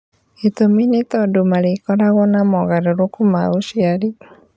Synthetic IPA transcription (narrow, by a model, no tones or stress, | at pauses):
it̪ominet̪ɔdomaɾekɔɾaɣɔnamɔɣaɾoɾokuma̰oʃiaɾi